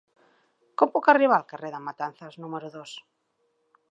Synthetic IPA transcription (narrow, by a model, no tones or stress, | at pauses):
kompokariβalkareðamat̪an̟θaznumeɾuðos